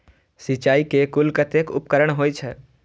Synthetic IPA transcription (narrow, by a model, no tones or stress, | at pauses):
sit͡ʃaːikekʊlkət̪ekʊ̰pkəɾəɽ̃ɦoːit͡ʃʰɛː